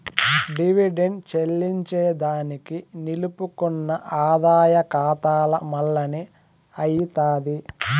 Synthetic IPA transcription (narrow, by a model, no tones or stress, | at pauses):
ɖiʋiɖeɳɖt͡ʃelːiɲt͡ʃɛːd̪aːnikinilupukunːɐʔaːd̪aːjɐkaːt̪aːlɐmɐlːɐni | ɐjit̪aːd̪i